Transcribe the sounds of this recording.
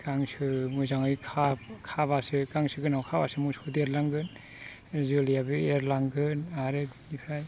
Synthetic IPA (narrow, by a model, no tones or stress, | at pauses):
kaŋsʰɯmɯzaŋɯjkʰakʰabasɯkaŋsʰɯɡɯnawkʰabasɯmusodeɾlaŋɡɯn | zɯlijabɯeɾlaŋɡɯnaɾɯdnipʰaj